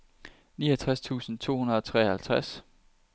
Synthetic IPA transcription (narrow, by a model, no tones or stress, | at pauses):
niːɐt͡sʰʁast͡sʰṵːsn̩t͡sʰo̝̰ːhunɐðˠɒt͡sʰʁɛ̰ːhælt͡sʰʁas